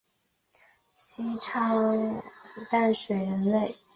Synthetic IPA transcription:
ɕi˥ʈ͡ʂʰɑ˥ŋ | t̪a˥˩nʂwe˨˩ɻə˧˥nle˥˩ɪ

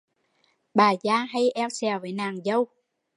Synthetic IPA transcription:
ɓaː˨˩zaː˧ɦa˧jʔɛ˧wsɛ˨˩wve˧˨˩naː˨˩ŋzə˧w

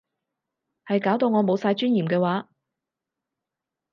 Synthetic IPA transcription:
hɐ˨jkaː˨˥wt̪o˧wŋɔː˨˧mo˨˧wsaː˧jt͡ʃyː˥njiː˨˩mkɛː˧waː˨˥

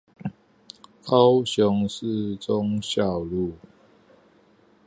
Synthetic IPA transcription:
kɑ˦ʊɕjʊ˨˦ŋs̩˥˨t͡sʊ˦ŋɕjɑ˥˨ʊlu˥˨

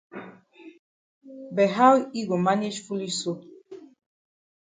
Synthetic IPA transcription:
bɛ˨ɦa˦wi˦ɡu˨maɲe˦ʃfu˦lisu˦

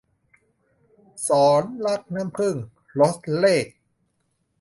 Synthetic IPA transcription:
sɔː˩˦nla˦˥k̚naː˦˥˨mpʰɯ˥˩ŋ | lo˦˥s̚leː˥˩k̚

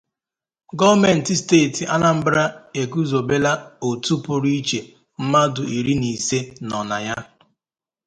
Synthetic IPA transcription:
ɡɔ˦vme˨n̩˨tɪ˨steː˦˨ti˨ʔa˦la˦m̩˦bɾɾa˦e˨ku˦zo˨be˦la˦o˨tu˦pʊ˦ɾi˦i˦t͡ʃe˨ | m̩˦ma˦dʊ˨ʔi˨ɾi˦ni˨se˦nɔ˨na˨ja˦

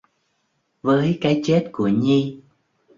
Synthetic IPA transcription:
vəː˨˦jkaː˨˦jt͡ɕe˦˥t̚ku˧˩əɲi˧

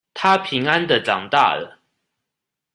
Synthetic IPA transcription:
t̪ʰa˦pʰi˨˦ŋa˦nd̪ə˨ʈ͡ʂɑ˨˩ŋt̪a̰˥˨lə̰˩

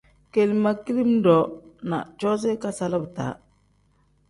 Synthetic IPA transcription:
ke˨lma˨ki˦li˦m˦dɔ˨na̰˨t͡ʃɔ˦s̬e˦ka˦sa˦la˦bta̰˨˦

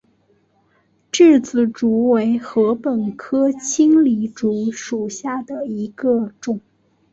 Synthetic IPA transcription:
ʈ͡ʂɻ̩˥˩t͡sɹ̩˨˩ʈ͡ʂu˧˥we˧˥ɪxɤ˧˥pə˨˩nkʰɤ˥t͡ɕʰi˥ŋli˧˥ʈ͡ʂu˧˥ʂu˨˩ɕja˥˩d̪ə˩i˧˥ɡə˧ʈ͡ʂʊ˨˩˦ŋ

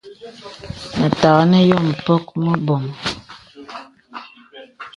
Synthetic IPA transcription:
mə˨ta˨ɣə˦nə˦jɔ˦˨m̩˨pɔ˦k̚mə˦bɔ˨m

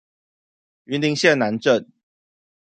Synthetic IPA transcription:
y˧˦nli˧˥ŋɕjɛ˥˨nːa˧˥nʈ͡ʂə˥˨n

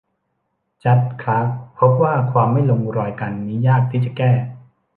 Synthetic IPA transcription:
t͡ɕa˦˥t̪̚kʰɾa˦˥k̚pʰo˦˥p̚waː˥˩kʰwaː˧mːa˥˩jlo˧ŋɾɔː˧jka˧nːiː˦˥jaː˥˩k̚t̪ʰiː˥˩t͡ɕa˨˩kɛː˥˩

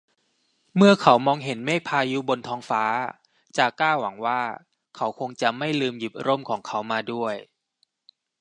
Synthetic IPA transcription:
mɯ˥˩ɐkʰa˨˦wmɔː˧ŋɦe˩˦nmeː˥˩pʰaː˧ju˦˥bo˧nt̪ʰɔː˧˥ŋfaː˦˥ | t͡ɕaː˨˩klaː˥˩wa˩˦ŋwaː˥˩ | kʰa˨˦˥wkʰo˧ŋt͡ɕa˨˩ma˥˩jlɯː˧mji˨˩p̚ɾo˥˩mkʰɔː˩˦ŋkʰa˩˦˥wmaː˧du˥˩əj

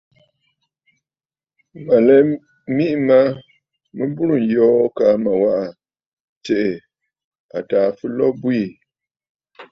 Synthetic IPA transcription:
ma˨lɛ˨˦ | mi˦ʔma˦ | mɨ˦bu˦ɾu˨n˨jɔː˦ka˨˦ma˨wa˦ʔa˨ | te˨ʔe˨ | a˨taː˨fɨ˦lɔ˦bwi˦˨

